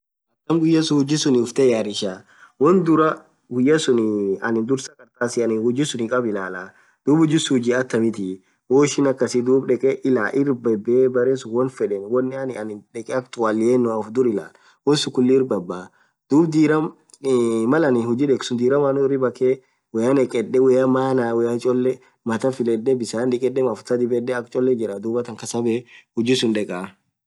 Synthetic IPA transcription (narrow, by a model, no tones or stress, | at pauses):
ɐt̪ːɐmɡʊjːɐsʊhʊd͡ʒɪsʊnɪʊft̪ɛjaɾɪʃaː | wɔnd̪ʊɾɐ | ɡʊjːɐsʊnɐnɪnd̪ʊɾsɐkɐɾt̪aːsɪɐnɪhʊd͡ʒɪsʊnɪkʼɐbɪlaːla | d̪̥uːbhʊd͡ʒɪsʊhʊd͡ʒiɐt̪ːɐmɪt̪ɪ | woːʃɪnɐkːɐsɪd̪uːbᶑɛkʼɛʔɪlaːʔɪɾbɛbbɐɾesʊwɔnfɛᶑɛnwɔnːɪɐnɪɐnɪᶑɛkʼɛɐkt̪ʊwaːlɪenːʊɐfd̪ʊɾɪla̰ːl | wɔsʊkʊlːɪɪɾbɐbːaː | d̪̥uːbd̪iːɾɐm | mːɐlɐnɪhʊd͡ʒiᶑɛkʼsʊnd̪iːɾɐmɐnʊɪɾɪbɐke | wɛɐnɛkʼɛɗɛwɛjɐmaːnaːwɛɐt͡ʃʼɔlːɛ | mɐt̪ɐfɪlɛdːɛbɪsaːnᶑɪkʼɛɗɛmɐfʊ̥t̪ɐd̪ɪbɛdɛɐkt͡ʃʼɔlːɛd͡ʒɪɾɐd̪uːbɐt̪ɐŋkɐsɐbeːhʊd͡ʒɪsʊnᶑɛkʼaː